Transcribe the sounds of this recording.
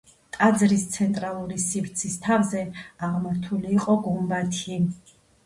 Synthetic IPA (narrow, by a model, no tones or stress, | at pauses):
t̪ʼad̪zɾist̪sʰɛnt̪ʼɾalˠuɾisivɾt̪sʰist̪ʰavzɛaʁmaɾt̪ʰuliːqʼɔɡumbat̪ʰi